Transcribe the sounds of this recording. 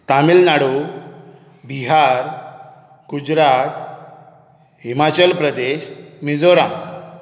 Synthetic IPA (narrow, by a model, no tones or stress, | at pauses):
t̪amilnaɽu | biɦaɾ | ɡ̥ud͡ʑɾat̪ | ɦimat͡ɕəlpɾəd̪eɕmid͡zoɾãŋɡ